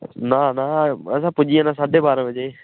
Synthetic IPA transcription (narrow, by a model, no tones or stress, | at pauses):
naːnaːəs̬ãːpʊd͡ʒiãːnaːsaːɖʱebaːɾə̃ʋɪd͡ʒeː